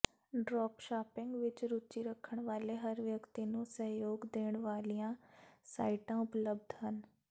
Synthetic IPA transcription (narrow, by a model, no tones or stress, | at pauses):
ɖɾɔːpʃaːpɪŋɡʋɪt͡ʃɾut͡ʃiɾəkʰːəɽ̃ʋaːleɦəɾʋjəkt̪inũːsə̃ɦjoːɡd̪eːɽ̃ʋaːlijãːsaːiʈãʊpləb̚d̪ʱɦən